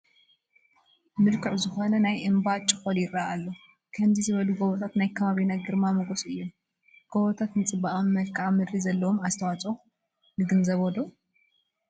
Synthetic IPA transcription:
mɨlkʰɨʕzɨxonɐnajʔɨmbat͡ʃʼɨ̥xoljɪɾaʔalːo | kʰɐmzizɨβɐluɡoβot̪ʰat̪najkʰɐβaβinaɡɨɾmamɐɡosʼʔɨjːo | ɡ̥oβot̪ʰat̪nɨt͡sʼɨbaʔamːɐlkʰaʕamɨd̪ɾizɐlːɐwomazt̪ʰɐwat͡sʼo | nɨɡɨnzɐβod̪o

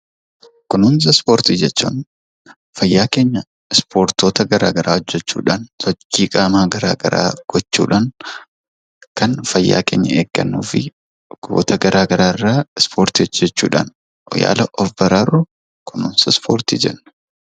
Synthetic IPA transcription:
kʊnʊns̬ɐspoːɾt̪iːd͡ʒɛt͡ʃːṵːn | fɐjːaːke̞ːɲːɐ | ɪspʰoːɾt̪oːt̪ɐɡɐɾaːɡɐɾʔaːɔd͡ʒːɛt͡ʃːṵːᶑaːnsɔt͡ʃːiːkʼaːmaːɡɐɾaːɡɐ̰ɾa̰ːɡ̥ɔt͡ʃːṵːᶑaːn | kɐnfɐjːa̰ːkḛːɲːɐ̰eːɡ̥ːɐ̰nːṵːfɪ | ɡ̥o̰ːt̪ɐɡɐɾaːɡɐɾaːɪrːaːɪspʰoːɾt̪id͡ʒɛt͡ʃːṵːᶑa̰ːn | ja̰ːlɐʔɔfbɐɾaːru | kʊnʊnsɐspʰoːɾt̪ḭːd͡ʒɛnːɐ̥

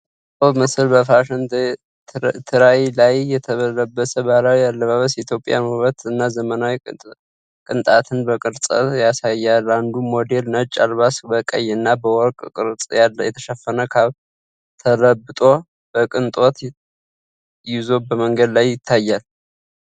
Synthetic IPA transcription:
oβməsɨlbəfaʃn | t̪ʰɨɾajilajːɛt̪ʰəβələbːəsəbalawialːəβaβəsjit̪ʰjo̞pʼja̰nəβət̪ɨnːazəmənawi | kʼɨnt̪ʼat̪ʰɨnbəkʼɨɾsʼə̰jasajːaland̪umo̞d̪e̞lnət͡ʃʼːalβasbəkʼə̰jɨnːabəwɔɾkʼkʼɨɾsʼajɛt̪ʰə̥ʃəfːənəkʰaβ | t̪ʰələbɨt̪ʼo̞ | bəkʼɨnt̪ʼo̞t̪ | jɪzo̞bəməŋɡəd̪lajːɪt̪ʰːajːal

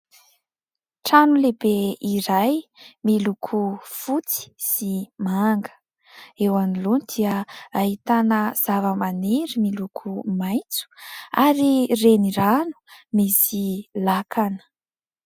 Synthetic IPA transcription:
ʈ͡ʂanulebeiɾajmilukʰufut͡si̥simaŋɡə̥ | ewanilunid̪̥iəahit̪anəz̥avəmaneɾimilukʰumajt͡su̥aɾireniɾanu̥misilakʰanə̥

